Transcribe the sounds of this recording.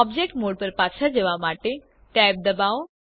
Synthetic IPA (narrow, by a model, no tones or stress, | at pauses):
ɔbd͡ʑek̚ʈmoːɽpəɾpaːt͡ʃʰad͡ʑeʋamaːʈe | ʈɛːp̚d̪ɐbaːo